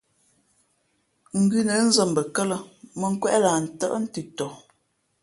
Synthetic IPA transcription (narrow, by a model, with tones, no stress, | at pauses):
ŋ̩˨ɡʉ˦nə˨˦n̩˦zə˨mbə˨kə˦lə˦mə˨ŋ̩˦kwɛ˦ʔla˨n̩˨tə̰˦ʔn̩˦tʉ˨tɔ˨